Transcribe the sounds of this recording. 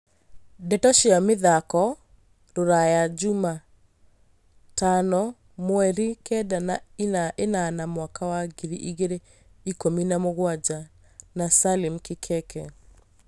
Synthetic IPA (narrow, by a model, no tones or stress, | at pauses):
dɛtɔʃamɪðakɔ | doɾajad͡ʒuma | tanɔ | mwɛɾikɛdanaiaʔenanamwakawaɡiɾiʔiɣeɾe | ikominamoɣwad͡ʒa | nasalɪmkɪkʰɛkɛ